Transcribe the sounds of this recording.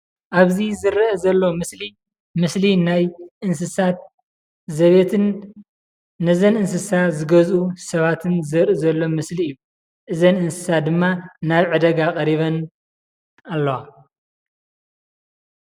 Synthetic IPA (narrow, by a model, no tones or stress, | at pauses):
ʔaβzizɨɾɐɐzɐlːo̞mɨsli | mɨslinajʔɨnsɨsat̪̚ | zɐβet̪ʰɨn | nɐzɐnɨnsɨsazɨɡɐzʔusɐβat̪ʰɨnzɨɾʔɨzɐlːo̞mɨsliɨjːu | ʔɨzɐnɨnsɨ̥sat̚d̪ɨmːanaβʕɨd̪ɐɡakʼɐɾiβɐn | alːɐwa